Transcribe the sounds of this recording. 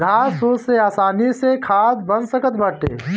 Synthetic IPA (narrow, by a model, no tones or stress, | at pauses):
d̪ʱaːsoseaːsaːnisekʰaːd̪bənsəkət̪bəʈḛː